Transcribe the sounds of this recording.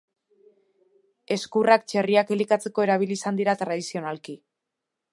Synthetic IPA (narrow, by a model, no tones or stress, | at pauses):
e̞skurak̚t͡ʃe̞riakelikat͡se̞ko̞e̞ɾaβ̞iliːsand̪iɾat̪ɾað̞isio̞nalki